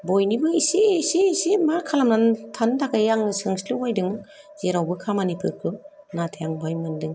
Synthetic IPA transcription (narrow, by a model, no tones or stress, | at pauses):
bojnibɯisisiːsimaɾkʰalamnantʰantʰakʰajaŋnɯsɯŋslɯwajdɯŋ | zeɾawbɯkʰamanipʰɯɾkʰɯ | natʰejaŋbajmɯndɯŋ